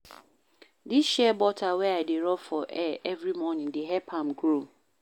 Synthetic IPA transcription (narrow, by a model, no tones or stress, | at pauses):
dɪɕɛbɔtʰawɛadeɾɔfɔʔɛɛvɾimɔnɪ̃ndɪɦɛpʰãmɡɾom